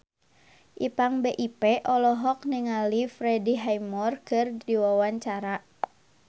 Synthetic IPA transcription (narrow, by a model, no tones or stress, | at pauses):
ʔipaŋbeʔipɛʔɔlɔɦɔk̚niŋalifɾɛdiɦajmɔrkɨrdiwawaɲt͡ʃaɾa